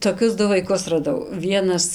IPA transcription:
toːˈkʲʊs ˈdʊ ʋɐɪˈkʊs rɐˈdɐʊ ˈʋʲiɛnɐs

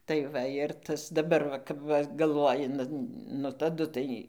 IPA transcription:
tɐɪ ˈʋɐ ɪr ˈtɐs dɐˈbɐr ʋɐ kɐp ˈʋɐ ɡɐlˠˈʋoːjɪ nʊ tɐˈdʊ tɐɪ

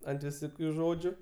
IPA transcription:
ɐnt ʋʲɪˈsoːkʲʊ ˈʒoːd͡ʒʲʊ

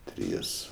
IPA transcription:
ˈtʲrʲiːs

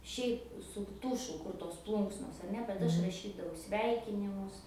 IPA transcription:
ʃʲɛɪp sʊ ˈtʊʃʊ ˈkʊr toːs ˈplˠʊŋksnoːs ɐr ˈnʲɛ bʲɛt ˈɐʃ rɐˈʃʲiːdɐʋɐʊ ˈsʲʋʲɛɪkʲɪnʲɪmʊs

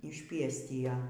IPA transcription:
ɪʃʲˈpʲiɛsʲtʲɪjɛ

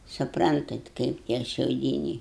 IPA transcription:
sʊˈprɐntɐt ˈkɐɪp tʲiɛ ʃʲɛʊˈdʲiːnʲɛɪ

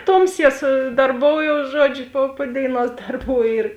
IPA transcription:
ˈtoːmʲˌsʲiɛ sʊ dɐrˈboːʊjoːʊs ˈʒuɔd͡ʒʲʊ poː poː ˈdʲeːɪˌnuɔs ˈdɐrˌbuː ɪr

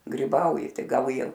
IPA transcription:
ɡrʲɪˈbɐʊjɪ ˈtɐɪ ˈɡɐlˠ ˈjiɛ

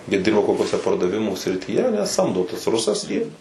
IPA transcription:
jiɛ ˈdʲɪrbɐ koːkʲuɔˈsʲɛ pɐrdɐˈʋʲɪmuː sʲrʲɪtʲiːˈjɛ ɐˈnʲɛ ˈsɐmdoː tɐs ˈrʊsɐs ˈjiː

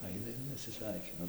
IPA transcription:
ˈɐɪnɐ ɪr nʲɛsʲɪˈsʲʋʲɛɪkʲɪnɐ

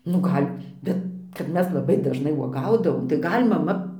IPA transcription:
nʊ ˈɡɐlʲ ˈbʲɛt kɐt ˈmʲɛs lˠɐˈbɐɪ dɐʒˈnɐɪ uɔˈɡɐʊdɐʋoːm tɐɪ ˈɡɐlʲ mɐˈmɐ

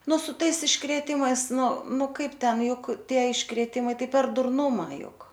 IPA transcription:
ˈnʊ sʊ ˈtɐɪs ɪʃkrʲeːˈtʲɪmɐɪs ˈnʊ ˈnʊ ˈkɐɪp ˈtʲɛn ˈjʊk ˈtʲiɛ ɪʃkrʲeːˈtʲɪmɐɪ ˈtɐɪ pʲɛr dʊrˈnʊmɐ ˈjʊk

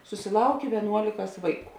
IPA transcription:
sʊsʲɪˈlˠɐʊkʲeː ʋʲiɛˈnuɔlʲɪkɐs ˈʋɐɪˌkuː

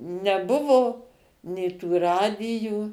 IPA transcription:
nʲɛˈbʊʋoː nʲeː ˈtuː ˈrɑːdʲɪjuː

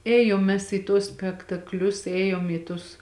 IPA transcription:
ˈeːjoːm ˈmʲɛs iː tuɔs sʲpʲɛktɐkˈlʲʊs ˈeːjoːm iː tʊs

